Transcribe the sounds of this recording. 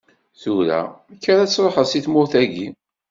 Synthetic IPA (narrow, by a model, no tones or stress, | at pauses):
θuɾæ̰ækːəɾæt͡sːɾˤoħəðsiθmʊɾθæʝi